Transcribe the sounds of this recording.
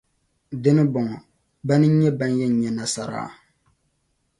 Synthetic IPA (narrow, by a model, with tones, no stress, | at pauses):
dɪ˦nɨ˦bɔ˨ŋɔ˨ | ba˦nɨ˦ɲɛ˦ba˦njɛ˦n˦ɲɛ˨na˨sa̰˨ɾa̰ː˨